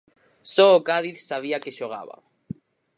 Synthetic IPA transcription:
sɔokaðiθsaβ̞iakeʃoɣ̞a̰βa̰

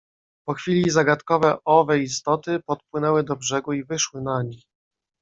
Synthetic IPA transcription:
pɔxfʲilʲizaɡat̪kɔvɛʔɔvɛist̪ɔt̪ɘpɔt̪̚pwɘnɛwɘd̪ɔbʐɛɡuivɘʂwɘnaɲix

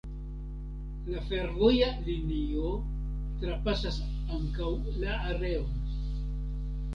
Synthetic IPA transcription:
lafe̞ɾvojalinio | tɾapasas | aŋkawlaːɾe̞on

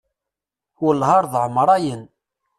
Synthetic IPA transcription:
wəlhɑɾˤðʕmɾˤɑjən

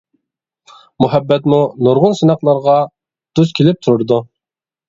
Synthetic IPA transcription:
muɦɛbːɛt̪munuɾʁʊnsɪnɑqlˠɑɾʁɑ | d̪̥uzkʲʰilɪp̚t̪ʰuɾʊɾd̪u

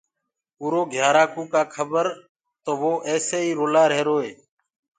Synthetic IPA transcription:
uːɾoːɡʱjaːɾaːkũːkaːkʰəbəɾ | t̪oːʋoːʔɛːseːiːɾoːlaːɾeːɾoːeː

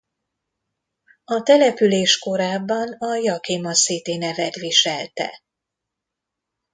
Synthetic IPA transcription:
ɒt̪ɛlɛpyleːʃko̞ɾaːbːɒnɒjɒkemɒseːt̪eːnɛvɛt̪ʋiʃɛlt̪ɛ̰

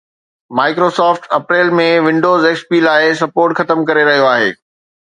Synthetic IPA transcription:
maːɪkɾoːsɔːfʈɐpɾeːlmẽʋɪ̃ɳɖoːzeːkspiːlaːɪs̬ɐpoːɾʈxɐt̪əmkɐɾeɾɐɦijoaːɦḛː

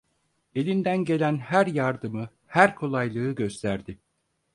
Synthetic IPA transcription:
e̞lʲind̪ænɟe̞lʲænhæɾjaɾd̪ɯmɯ | hæɾkʰo̞lˠajlˠɯːɟø̞st̪ʰæɾd̪ɪ

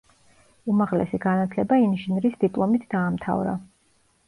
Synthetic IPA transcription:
umaʁlɛ̰siɡanat̪ʰlɛbainiʃnɾisd̪ipʼlˠɔmit̪ʰd̪aːmt̪ʰa̰vɾa̰

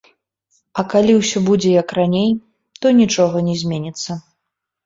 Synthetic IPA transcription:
ɐkalʲiwsʲɔbud͡zʲɛjɐkranʲej | t̪ɔnʲit͡ʂɔɣɐnʲɛzʲmʲenʲit̪sːɐ

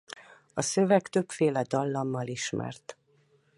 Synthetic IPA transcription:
ɒsø̞vɛkt̪ø̞pfeːlɛd̪ɒlːɒmːɒliʃmɛ̰rt̪

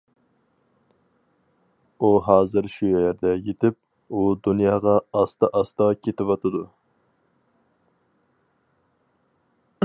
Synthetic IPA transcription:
uɦɑːzɨɾʃujɛjɛɾd̪ɛjet̪ʰɪp̚ | ud̪unjɑːʁɑːst̪ɑʔɑst̪ɑkʲʰet̪ɪwɑt̪ʰɨd̪u

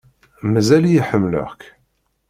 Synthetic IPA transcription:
mæzælijħəmːlə̰ʁk

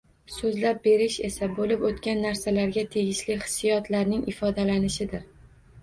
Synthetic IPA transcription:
sɵzlap̚be̞ɾɪʃe̞sabolɪpot̪kʲanːaɾsalaɾɡʲat̪ʰe̞ɡʲɪʃlɪχɪ̥sːijɒt̪laɾnɪŋʔɪfɒd̪alanɪʃɪd̪ɪɾ

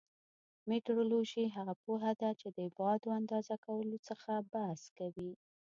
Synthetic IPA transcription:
meʈoɾoloʒiɦaɣapoɦad̪at͡ʃed̪əbɑd̪oand̪ɑzakawəlot͡səxabahskawi

